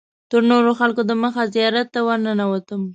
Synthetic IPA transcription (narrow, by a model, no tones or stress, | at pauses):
t̪əɾnoɾoxalkod̪əməxazijɑɾat̪ːawaɾnənawat̪əm